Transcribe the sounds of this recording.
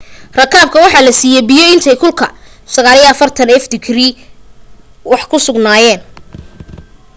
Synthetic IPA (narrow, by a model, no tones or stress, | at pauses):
rɐkʰaːb̚kʰɐwɑħɑːlɐsiːjɛbijɔɪnt̪ʰɛjkʰʊlkʰɐ | sɐɣaːlijɛɐfɐrt̪ʰɐnɛfd̪ɪkriː | wɑħkʰʊsʊɡnaːjɛːn